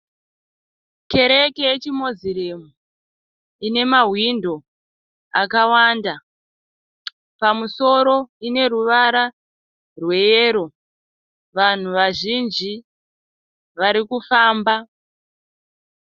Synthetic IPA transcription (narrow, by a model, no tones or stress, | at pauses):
ke̞ɾe̞keet͡ʃimo̞ziɾemu | ine̞maɦwindo̞ | a̰kawaːnda | pamuso̞ɾo̞ine̞ɾuʋaɾa | rwe̞jeːɾo̞ | ʋan̤uʋaʒind͡ʒi | ʋaɾikufaːmba